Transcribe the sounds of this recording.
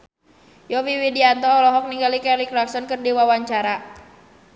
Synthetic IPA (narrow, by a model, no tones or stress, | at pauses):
jɔwiwidiant̪ɔɔlɔɦɔk̚niŋɡalikɛlikɾaksɔnkɨrdiwawaɲt͡ʃaɾa